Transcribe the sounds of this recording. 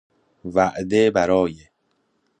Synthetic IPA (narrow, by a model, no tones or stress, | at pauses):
væʔd̪ebæɾɒːje